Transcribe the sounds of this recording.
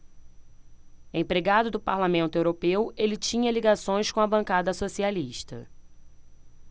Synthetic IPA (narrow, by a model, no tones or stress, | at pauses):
ẽpɾeɡad̪ʊd̪ʊpaɾlamẽnt̪ʊewɾopewelɪt͡ʃĩɲɐliɡasõj̃skõɐbɐ̃ŋkad̪ɐsosialiʃt̪ɐ̰